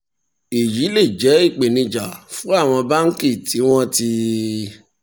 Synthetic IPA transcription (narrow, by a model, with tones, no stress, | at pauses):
i˨ji˨˦le˦˨d͡ʒɛ˨˦i˦˨k͡pe˨nĩ˧d͡ʒa˨fũ˨˦a˦˨w̃ɔ̃˧ba˦ŋ̩˦ki˦˨tʰi˨˦w̃ɔ̃˦ti˧